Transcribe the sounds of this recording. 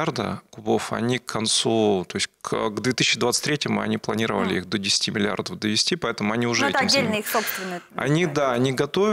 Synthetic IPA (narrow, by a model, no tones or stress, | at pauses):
ard̪ə̰kʊbo̞fɐ̰nʲikʰːɐnt̪sut̪o̞ɪsʲkɡd̪vʲet̪ɨsʲːt͡ɕɪd̪vat̪sɨ̥t̪ʲɾʲetʲɪmʊ̰ɐ̰nʲiplˠɐnʲiɾəvə̰lʲɪixd̪odʲɪsʲɪ̥tʲimʲɪlʲɪa̰rd̪əfd̪əvʲɪsʲtʲipɐɛt̪əmʊɐnʲiʊʐɛɛt̪ɐdʲːelʲnəixsopst̪vʲɪnːəɐ̰nʲid̪aːnʲiɡɐt̪ovʲ